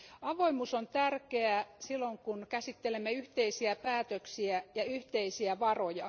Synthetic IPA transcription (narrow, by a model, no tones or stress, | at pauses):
ɑʋoimusont̪ærkeæsilːoŋkunkæsit̪ːelemːeyht̪eisiæpæːt̪øksiæjɑyht̪eisiæʋɑrojɑ